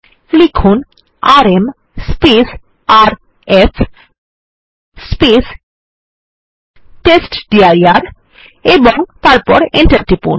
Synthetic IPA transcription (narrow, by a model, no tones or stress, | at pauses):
likʰun | aɾem | spes | aɾ | efʰ | spes | ʈesʈɖiajaɾ | eboŋt̪aɾpɔ̰ɾeɳʈaɾʈipṵn